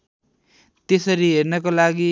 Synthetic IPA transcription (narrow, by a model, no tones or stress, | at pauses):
t̪esʌɾiɦernʌkolaɡi